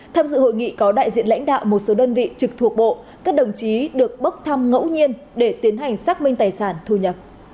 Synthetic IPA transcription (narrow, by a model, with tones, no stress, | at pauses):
t̪ʰaː˧mzɨ̰˧˨ɦo̰˧˨jŋḭ˧˨kɔ˨˦ɗa̰ː˧˨jzḭ˧˨ənla̰˧˥jŋ̟ɗa̰ː˧˨wmo˨˩t̚so˨˦ɗəː˧nvḭ˧˨t͡ɕɨ˨˩k̚t̪ʰu˨˩ək̚ɓo̰˧˨ | kaː˦˥k̚ɗə˨˩wŋ͡mt͡ɕi˨˦ɗɨ˨˩ək̚ɓə˦˥k͡p̚t̪ʰa˧mŋə̰˧˥wɲi˧ən | ɗe˧˩t̪i˨˦ənɦa˨˩jŋ̟saː˦˥k̚mï˧ŋ̟t̪aː˨˩jsaː˧˩nt̪ʰu˧˩ɲə˨˩p̚